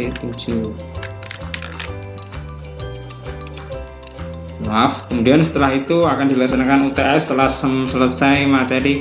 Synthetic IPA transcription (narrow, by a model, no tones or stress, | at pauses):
it̪ud͡ʒu | mafkəmudiansə̥t̪əlaɦit̪uakandilaksanakanut̪eʔɛsə̥t̪əlahsəmsələsajmat̪eɾi